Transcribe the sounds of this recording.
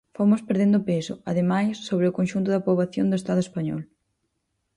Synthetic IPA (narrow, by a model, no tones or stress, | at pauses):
fomʊspeɾðend̪ʊpesʊ̰a̰ðemajsːoβɾɪʊkonʃunt̪ʊðapɾoβaθjo̰nd̪ʊest̪aðʊespaɲɔ̰l